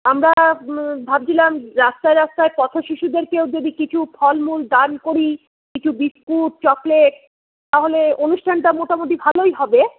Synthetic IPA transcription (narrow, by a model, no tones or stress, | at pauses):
amɾabʱab̚d͡ʑilamɾast̪aeɾast̪aepɔt̪ʰoʃiʃud̪eɾkewd͡ʑod̪ikit͡ɕʰupʰɔlmuld̪ankoɾi | kit͡ɕʰubiskuʈ̚t͡ɕɔkleʈ | t̪aɦoleonuʃʈʰanʈamoʈamot̪̬ibʱalojɦɔbe